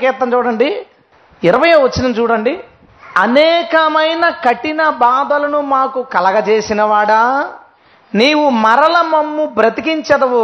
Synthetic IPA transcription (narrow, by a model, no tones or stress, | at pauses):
kɛːt̪ːɐmt͡ʃuːɽɐɳɖi | iɾɐʋɐjɐːʋɐt͡ʃːinɐmt͡ʃuːɽɐɳɖi | ɐnɛːkɐmɐjnɐkɐʈinɐbaːd̪ɐlɐnumaːkukɐlɐɡɐt͡ʃeːsinɐʋaːɽɐ | niːwumɐɾɐlɐmɐmːubɾɐt̪ikiɲt͡ʃɐd̪ɐʋu